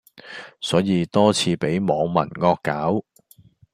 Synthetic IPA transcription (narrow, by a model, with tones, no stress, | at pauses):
sɔː˨˥jiː˨˧t̪ɔː˥t͡sʰiː˧pe˨˥jmɔː˨˧ŋmɐ̰˨˩nŋɔː˧kːaː˨˥w